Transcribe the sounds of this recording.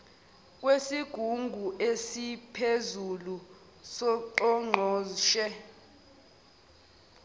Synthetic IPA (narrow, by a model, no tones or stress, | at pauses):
k̬ʼwesiɡ̥ʱuŋɡʱuʔesipʰezulu | sɔǃɔŋ͡ǃʱɔːʃɛ